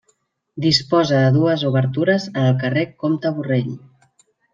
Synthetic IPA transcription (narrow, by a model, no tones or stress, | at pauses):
d̪ispɔzəðəðuəzuβəɾt̪uɾəzənəlˠkərekomt̪əβureʎ